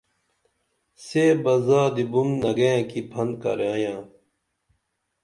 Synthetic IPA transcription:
seːbɐzaːd̪ibunnɐɡẽkipʰɐnd̪kɐ̰ɾãːjãː

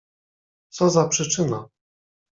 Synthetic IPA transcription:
t̪sɔzapʂɘt͡ʂɘna

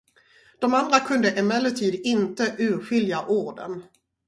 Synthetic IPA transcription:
d̪̥ɔmand̪ɾakʰɵnd̪əʔɛmɛlːəʈʰiːd̪ɪnt̪əʔʉ̟ːɧʏljaʔuːɖə̰n

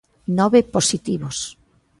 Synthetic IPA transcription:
nɔβeposit̪iβos

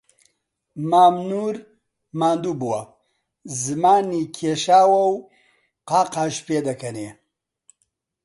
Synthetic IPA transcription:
maːmnuːɾ | maːnd̪uːbuwɐ | zɨmaːnikʰeːʃaːwɐw | qaːqaːʃpeːd̪ɐkʰɐneː

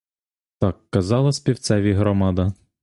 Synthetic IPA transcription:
t̪ɑkːɐzɑlˠɐsʲpʲiwt̪sɛʋʲiɦɾɔmɑd̪ɐ

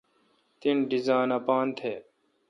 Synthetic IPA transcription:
t̪inɖizaːnɐpaːnt̪ʰeː

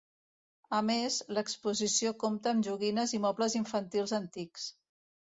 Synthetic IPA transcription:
əmezləkspuzisiokomt̪əːmʒuɣinəzimɔpləziɱfənt̪ilˠzənt̪iks

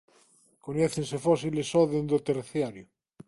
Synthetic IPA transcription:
koɲeθensefɔsilesɔðend̪ot̪eɾθjaɾjo

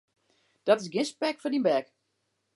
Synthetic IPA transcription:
d̥ɔtɪsɡɪnspɛkfɔdinbɛk

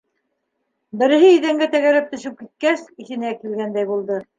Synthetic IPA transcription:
bɘ̆ɾɘ̆ɦɘiðæŋɡæt̪æɣæɾæp̚t̪ɵ̆ʃɘp̚kit̪̚kæsiθɘ̆nækilɡænd̪æjbulˠd̪ɤ

